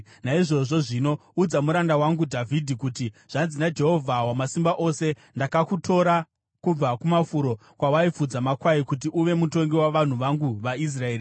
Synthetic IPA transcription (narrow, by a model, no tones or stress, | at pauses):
naiʐo̞ʐo̞ʐino̞ud͡zamuɾandawaŋɡudʱavʱidʱikutiʐ̥anzinad͡ʒe̞ɦo̞vʱawamasimbaʔo̞ːse̞ | ndakakutʰo̞ɾa | kub͡vakumafuɾo̞ | kwawaifud͡zamakwaikut̬iʔuʋe̞muto̞ŋɡiwaʋan̤uʋaŋɡuʋais̬rae̞ːɾi